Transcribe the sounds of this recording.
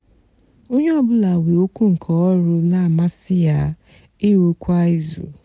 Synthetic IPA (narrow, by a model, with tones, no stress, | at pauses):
o˦ɲe˦ɔ˦bʊ˦la˨we˨o˦ku˦ŋ̩˨kʰɔ˨ɔ˦ɾʊ˦na˨ma˦sɪ˦ja˦ | ɪ˦ɾu˨kʷa˦i˦zṵ˨